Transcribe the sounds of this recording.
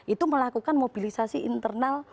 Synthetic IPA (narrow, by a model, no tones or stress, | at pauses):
ʔit̪uməlakukanmob̥i̤lisasiʔḭnt̪ərnal